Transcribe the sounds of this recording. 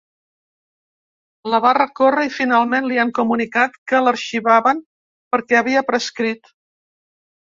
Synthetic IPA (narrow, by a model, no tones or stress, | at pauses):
ləβarəkorəifinalˠmenliaŋkumunikat̪kələɾʃiβaβən | pəɾkɛəβiəpɾəskɾit̪